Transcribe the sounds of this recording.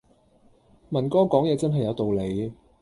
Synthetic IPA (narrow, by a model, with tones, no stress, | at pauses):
mɐ˨˩nkɔː˥kɔː˨˥ŋjɛː˨˧t͡sɐ˥nɦɐ˨jːɐ˨˧wt̪o˨wle˨˧j